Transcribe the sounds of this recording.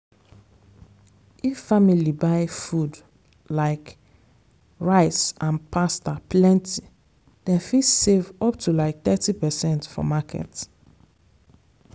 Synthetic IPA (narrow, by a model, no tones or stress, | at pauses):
ifːamilibaɪfud | laɪk | ɹaɪtsʔãnpʰastapʰlɛ̃ntʰi | d̥ɛ̃nfisevɔp̚tʰulaɪk̚θɛtipɛsɛ̃ntfɔ̰makʰɛ̰t